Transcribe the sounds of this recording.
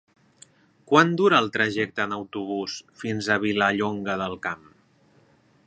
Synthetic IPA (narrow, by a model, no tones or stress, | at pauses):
kwand̪uɾəːlˠt̪ɾəʒɛk̚t̪əːnəwt̪uβ̞usfinzəβ̞iləʎoŋɡəðəlˠkam